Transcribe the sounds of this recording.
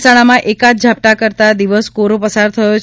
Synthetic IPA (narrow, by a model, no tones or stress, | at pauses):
saɽ̃amãʔekat̪d͡ʒʱap̚ʈakəɾt̪ad̪iʋəskoɾopəsaɾt̪ʰəjot͡ʃ